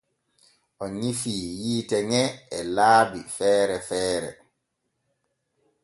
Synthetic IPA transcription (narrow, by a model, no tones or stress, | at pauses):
ʔɔɲifiːjiːtɛŋɛɛlaːbifɛːɾɛfɛːɾɛ̰